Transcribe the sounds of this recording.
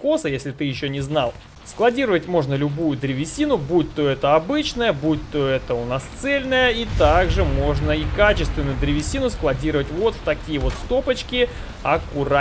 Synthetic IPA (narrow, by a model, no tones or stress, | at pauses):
ko̞səjesʲlʲɪt̪ɨjɪɕːonʲɪznalˠ | sklˠɐdʲiɾəvətʲmo̞ʐnəlʲʊbujʊd̪ɾʲɪvʲɪsʲːinʊbut̪ːoɛt̪əɐbɨt͡ɕnəjəbut̪ːoɛt̪əʊnast̪sɛlʲnəjəit̪aɡʐɨmo̞ʐnəikat͡ɕɪst̪vʲɪnʊjʊd̪ɾʲɪvʲɪsʲinʊsklˠɐdʲiɾəvətʲvo̞t̪ft̪ɐkʲijəvo̞t̪st̪o̞pət͡ɕkʲɪ | ɐkʊɾa